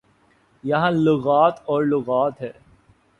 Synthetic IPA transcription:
jɐɦãlʊɣaːt̪ɔːɾlʊɣaːt̪ɦɛː

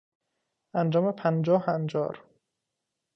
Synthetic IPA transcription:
ænd͡ʒɒːmepʰænd͡ʒɒːhænd͡ʒɒ̰ːɾ

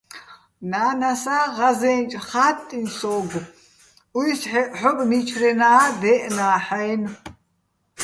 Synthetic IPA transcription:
naːnasaːʁazɛːnt͡ʃʼχaːt̪ʼːinsɔːɡ | ujsħɔpʼmit͡ʃʰɾɛnaːd̪ɛːʔnaːħajn

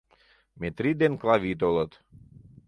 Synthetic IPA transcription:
met̪ɾid̪enklɑβit̪olət̪

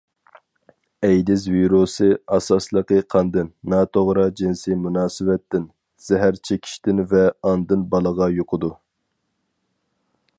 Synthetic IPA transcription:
ɛjd̪ɪzviɾosɨɑsɑslˠəqəqʰɑnd̪ɨnːɑːt̪ʰoʁɾɑd͡ʒinsɪmunɑːsɨvɛt̪ːɪn | z̥ɛɦæɾt͡ʃʰekʲʰi̥ʃt̪ɪnvɛɑnd̪ɨnbɑlˠəʁɑjoqʰʊd̪u

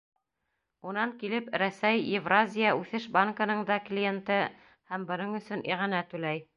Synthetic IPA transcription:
unɑŋkilɘpɾæsæjɪvrazʲɪjaʉθɘʃbaŋkɤ̆nɤɴd̪ɑklʲijent̪ɤ | hæmbɤ̆nɤɴɵ̆sɵnʔiʁɑnæt̪ʉlæj

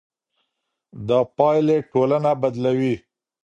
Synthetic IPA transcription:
d̪əpɑjleʈolanabad̪lawi

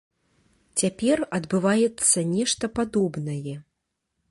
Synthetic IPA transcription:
t͡sʲapʲɛrɐd̪bɨvajɛt̪sːɐnʲɛʂt̪ɐpad̪ɔbnɐjɛ

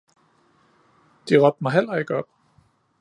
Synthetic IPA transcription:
d̥iʁɒ̽b̥̚d̥mɑ̈ɪɦel̰ɐe̝ɡ̥əɒ̽b̥̚

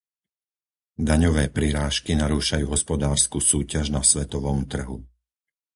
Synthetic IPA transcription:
d̪aɲɔʋɛːpɾiɾaːʃkinaɾuːʃajuːɦɔspɔd̪aːɾskuːsuːcaʒnasʋɛt̪ɔʋɔmt̪r̩ɦu

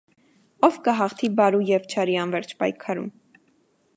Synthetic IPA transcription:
ɔvkəɦɑχt̪ʰibɑɾujɛvt͡ʃʰɑɾiɑnvɛɾt͡ʃʰpɑjkʰɑɾṵm

